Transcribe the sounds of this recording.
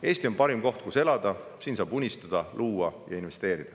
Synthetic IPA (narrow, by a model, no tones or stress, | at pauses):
e̞ːsʲt̪io̞npɑɾimko̞ht̪̚kuse̞lɑd̪̥ɑsiːnsɑːbunʲist̪ɑd̪̥ɑlʔuːɑjɑinve̞st̪e̞ːɾid̪̥ɑ